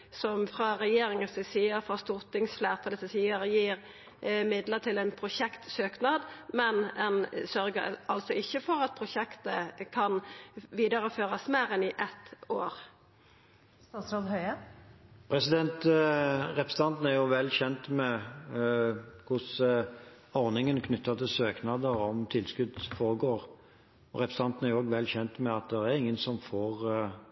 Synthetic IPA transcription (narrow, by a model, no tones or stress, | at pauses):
sɔmfʁɑɾɛjeːɾɪŋəsɛsiːəɾfɑst̪ʊʁt̪ɪŋsflæːʁt̪ʰɑːləsəsiːəɾəjiːɾ | mɪd̪lət̪ʰɪlɛnpʰɾʊʃɛkt̪søːknɑːd̪mɛnɛnsœɾɡə̰ɑlt̪sɔɪçːəfɔɾɑt̪̚pʰɾʊʃɛkt̪əkʰɑnʋiːd̪əɾəføːʁɑsmeːɾɛnɪʔɛt̪oːɾ | st̪ɑːsɾoːd̪hœʏə | pʰɾɛsɪd̪ɛnt̪ | ɾɛpəst̪ɑnt̪n̩æɾjʊʋɛlːçɛnt̪mɛ | kʰʊs | ɔʁnɪŋənkʰnʏt̪ːɑt̪ʰɪlsøːknɑd̪əɾɔmt̪ʰɪlskʉd̪foːɾəɡoːʁ | ɔɾɛpst̪ɑnt̪n̩æɾjʊoːɡʋɛlːçɛnt̪mɛɑt̪̚d̪ɛɾɛɾɪŋːənsɔmfoːʁ